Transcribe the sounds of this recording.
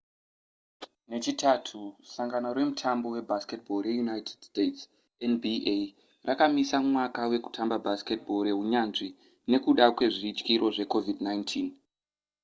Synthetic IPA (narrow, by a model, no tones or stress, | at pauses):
ne̞t͡ʃitʰatʰusaŋɡano̞ɾe̞mutʰambo̞we̞baske̞tbʱo̞je̞junajtʰed̥stets | enbie | rakamisamwakawe̞ku̥tʰambabʱaske̞t̚bʱo̞ɾeɦuɲanʐi | ne̞kuɗakwe̞ʐiːt͡ʃkiɾo̞ʐe̞ko̞vidnajntʰiːn